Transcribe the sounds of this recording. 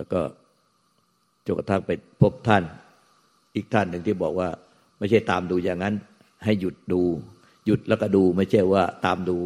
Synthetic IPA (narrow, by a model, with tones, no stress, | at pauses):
lɛː˦˧˥wkɔː˥˩ | t͡ɕo˨˩kt̪ʰa˥˩ŋpa˧pʰo˦˥˩p̚t̪ʰa˥˩n | ʔiː˨˩k̚t̪ʰa˥˩nːɯ˨˩ŋt̪ʰiː˥˩bɔː˨˩k̚waː˥˩ | ma˥˩jt͡ɕʰa˥˩jt̪aː˨˧mduː˧jaː˨˩ŋːa˦˥n | ha˥˩jːu˨˩t̪̚duː˧ | ju˨˩t̪̚lɛ˦˥˩kɔː˥˩duː˧ma˥˩jt͡ɕʰa˥˩jwaː˥˩t̪aː˧mduː˧